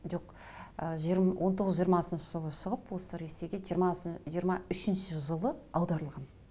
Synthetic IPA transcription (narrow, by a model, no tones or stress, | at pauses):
ʒo̞q | əʒɾwʔo̞nt̪ʰo̞ʁəzʒijəɾmɑsənʃəʒəlˠəʃəʁəpwosəɾesejɡʲemɑʒijəɾmɑʏʃɪnʃɪʒəlˠəɑwd̪ɑɾəlˠʁɑn